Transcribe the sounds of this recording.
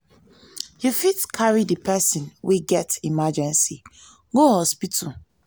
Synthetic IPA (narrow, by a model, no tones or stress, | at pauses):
jufitkʰaɹidipʰɛsĩnwiɡɛtimad͡ʒɛ̃nsi | ɡohɔspitʰu